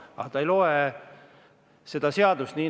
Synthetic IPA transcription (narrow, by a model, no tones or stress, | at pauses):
ɑ̰ht̪ɑejlo̞e | se̞d̪̥ɑseɑd̪̥ust̪niː